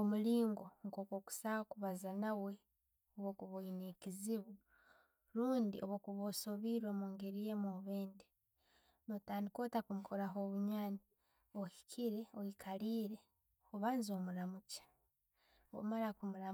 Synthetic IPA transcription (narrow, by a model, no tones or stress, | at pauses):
omuliːŋɡo̞ŋko̞ːkwo̞ːku̥saokuβazanawe̞ | oβokuβoineciziβu | ɾuːndiʔoβokuβoso̞βiɾwomoːŋɡe̞ɾije̞moβeːnde | notaːndiko̞ːtakumukʰoɾaɦo̞ːβuɲaːni | ohi̥kʰiɾe̞oikʰaliːɾe̞ | oβaːnzo̞ːmuɾamucḁ | o̰maɾakumuɾa